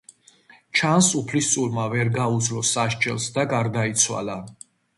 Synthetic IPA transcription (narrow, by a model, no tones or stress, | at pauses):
t͡ʃʰansupʰlist̪sʼuɾmavɛɾɡaud̪zlɔsaʃt͡ʃʼɛlˠsd̪aɡaɾd̪ait̪sʰwa̰la